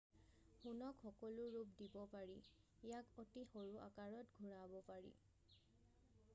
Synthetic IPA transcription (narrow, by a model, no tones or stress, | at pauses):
xunɔkxɔkɔlʊɹupdibɔpaɹi | jakotixoɹuʔa̰kaɹɔtɡʱuɹabɔpaɹḭ